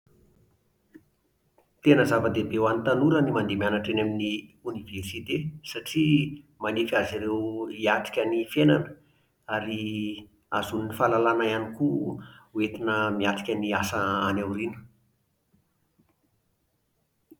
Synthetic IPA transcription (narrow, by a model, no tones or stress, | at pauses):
t̪enəzavəd̪ebewanit̪anuɾənimand̪emianaʈ͡ʂenaminiuniversit̪esaʈ͡ʂi | manikʲaziɾewiaʈ͡ʂi̥kʲənifenanə | aɾi | azuninifalalanajanikuwet̪inəmiaʈ͡ʂi̥kʲəniasəanewɾinə̥